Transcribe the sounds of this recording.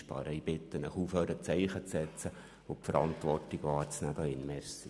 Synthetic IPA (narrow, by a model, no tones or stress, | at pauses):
ʃpɑ̰ːɾəibɪt̪ːənəχuføːɾət͡sɛɪχət͡sɛt͡sə | opfəɾɑ̰nt̪ʋɔrtiɡ̥ʋɑːɾt͡snæːd̥̪ɑɪnmɛɾsə